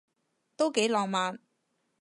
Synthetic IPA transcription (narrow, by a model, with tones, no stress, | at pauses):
t̪o˥wke˨˥jlɔː˨ŋmaː˨˧n